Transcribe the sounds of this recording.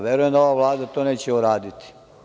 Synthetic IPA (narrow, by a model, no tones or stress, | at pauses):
ʋjeɾujemd̪aoʋaʋlˠaːd̪at̪oneːt͡ɕeuɾaːd̪it̪i̥